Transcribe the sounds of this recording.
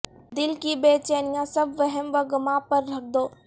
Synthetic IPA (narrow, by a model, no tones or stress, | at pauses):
d̪ɪlkibeːt͡ʃenɪjãsɐbʋɐɦɛmʋɐɡʊmãːpɐɾːɐk̚d̪oː